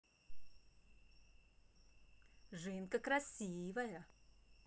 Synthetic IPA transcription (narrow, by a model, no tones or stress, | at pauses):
ʐɨnkəkɾɐsʲivəjə